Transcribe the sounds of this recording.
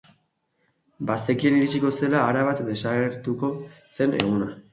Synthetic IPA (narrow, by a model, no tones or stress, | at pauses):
bast̪e̞kieniɾit͡ʃiko̞se̞laːɾaβat̪d̪e̞saɣe̞ɾt̪uko̞se̞ne̞ɣ̞una